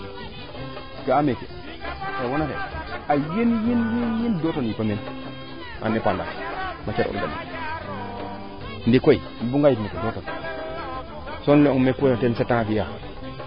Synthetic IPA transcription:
ɡaamekḛ | tawonatḛajinjinjinjindotonjipamen | a̰nipanda̰mat͡ʃeɾʔṵɾɡamḭ | ndikoi | nbuŋɡajipnikadoto | sonleoŋmekːotensetːaŋakija

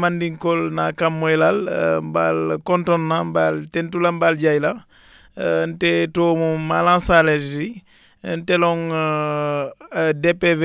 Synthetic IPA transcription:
mandiŋkɔlnakamːɔjlalmba̰lkɔntɔnːambaltɛntulambalɟajla | ntetoːmumalãnsalei | ntɛlɔŋ | dɛpːɛv

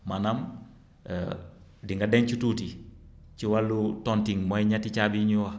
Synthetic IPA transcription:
manam̰ | diŋɡadɛnt͡ʃututi | t͡ʃiwalːutɔntiŋmɔjɲatit͡ʃabiɲuwɐ

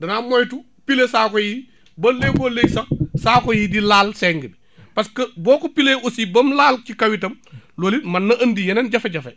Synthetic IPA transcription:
dɐnamojtu | pilesaːkɔji | bɐlekoleksɐksaːkojidilaːlsɛŋɡɐbi | pɐskɐbɔːkopileʔosibɐmlaːlcikɐwitɐmloːlimɐnːɐʔɐndijɐnɐnɟɐfɐɟɐfe

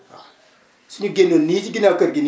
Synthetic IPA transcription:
siniɡenonid͡ʒiɡinakɐɾɡin

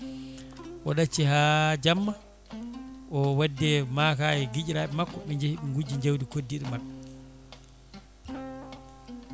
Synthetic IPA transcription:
ʔɔɗat͡ʃːihad͡ʒamːa | ʔɔwadːɛmakajɛɡid͡ʒɾaːɓɛmakːɔmiɲd͡ʒehiɓiŋɡud͡ʒiɲd͡ʒawdikodːiɗimaɓːɛ

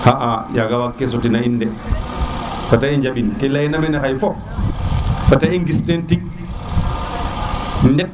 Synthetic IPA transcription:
haʔa̰jaɡawakːɛs̬otinainːdɛ | fataiɲd͡ʒaɓinkɛlainamɛnɛkajfɔ | fataʔiŋɡistentik̚ | ndɛ

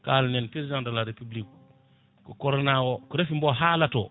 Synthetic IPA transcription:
kalnenpɾezzãndalaɾepiblik | kukoɾnawokuɾefimboɦalato

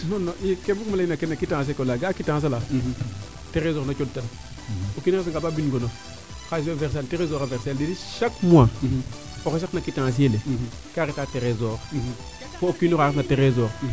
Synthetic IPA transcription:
nonoikebukmalinakenakitãs̬ekolaɡakitãs̬ala | teɾezoɾnat͡ʃodtana | okineefiŋɡababinɡono | kaseveɾs̬anteɾezoːɾaveɾseldediʃakmua | okeʃ̬aknakitãs̬iele | kaketaːteɾezoɾ | fookinokaɾet̬nateɾezoɾ

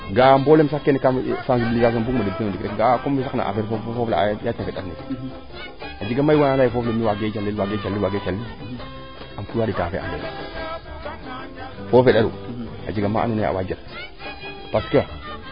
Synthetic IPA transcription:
ɡambolems̬akːenekasanziliɡaɡembukmadibenodikɾekɡakombes̬akna̰ʔa̰feɾfofofofla̰jatafeɗatne | ad͡ʒiɡamːaiwanandajifoflemiwaɡet͡ʃalːewaɡet͡ʃalːiwaɡet͡ʃalːi | amkuaditafḛʔa̰dedṵ | fofeɗaɾṵ | a̰d͡ʒiɡama̰a̰nunea̰wad͡ʒat̚ | paskewa

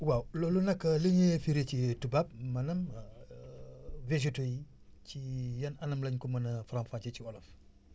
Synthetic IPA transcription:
wawlɔlunɐkːɐliɲefiɾecitubap̚mɐnɐm | ved͡ʒ̬etoji | cijɐnɐnɐmlɐɲkɔmɐnɐfɾamfaɲt͡ʃeciɔlɐf

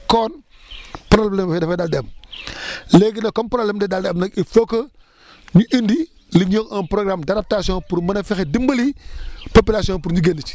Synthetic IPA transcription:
kɔːn | pɾalblebfedɐfedaldem | leɡinɐkompɾolemdedaldemnɐkifoko | ɲuʔindi | liɲoŋɐnpɾoɡɾamdaɾap̚tasioŋpuɾmɐnɐfixedimbɐlipopilasioŋpuɾɲiɡendit͡ʃ

